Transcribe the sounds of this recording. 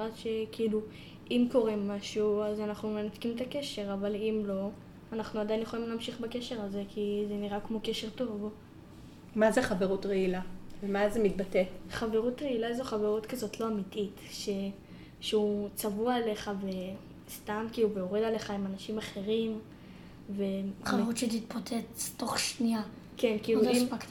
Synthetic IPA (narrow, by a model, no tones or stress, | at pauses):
atʃe̞kiilu | ʔimko̞ʁe̞maʃuazanaχnume̞nat̪kimt̪ake̞ʃe̞ʁavalimlo̞ | anaχnuadajinjeχolimleːmʃiχbake̞ʃe̞ʁaze̞kʰizeniʁakmo̞ke̞ʃe̞ʁto̞v | mazeχave̞ʁutʁeilavemazemit̚bateχave̞ʁutʁeilaezoχave̞ʁutkazo̞tlo̞amititʃe̞ | ʃeut͡savuaele̞χave̞ | stamkiubeoʁedale̞χaimanaʃimaχe̞ʁim | ve̞avʁutʃetit̪̚pot͡set͡sto̞χʃnia | ke̞nkiːluim